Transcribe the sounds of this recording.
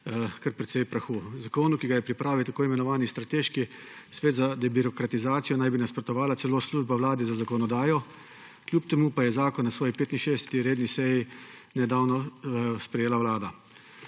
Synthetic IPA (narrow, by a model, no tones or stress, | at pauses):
kɐɾpɾɛt̪sɛjpɾaxuːzakoːnukiɡajɛpɾipɾaːʋiwt̪akoːimɛnɔʋaːnist̪ɾat̪eːʃki | sʋeːd̪zad̪ɛbiɾɔkɾat̪izaːt̪sijɔnajbinaspɾɔt̪ɔʋaːlat̪sɛloːsluːʒbaʋlaːd̪ɛzazakɔnɔd̪aːjɔ | klʲjuːpt̪ɛmuːpajɛzaːkɔnːasʋɔːjipeːt̪inʃeːd̪ɛsɛ̥t̪iɾeːd̪nisɛjinɛd̪aːwnɔspɾɛjeːlawlaːd̪a